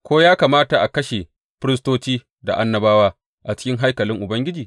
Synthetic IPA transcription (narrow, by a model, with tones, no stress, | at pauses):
kʷoː˦jaː˦kaː˨maː˦ta˨ʔa˨kɐ˦ʃe˨ | ɸɪ˦ɾɪ˦stoː˦t͡ʃiː˦ | da̰˨ʔa˦nːɐ˦baː˦waː˦ | ʔa˨t͡ʃɪ̥˦kʲɪ˦ŋɦa˦jkɐ˨lɪ˦ŋʔʊ˨bɐ˦ŋɡʲɪ˦d͡ʒiː˨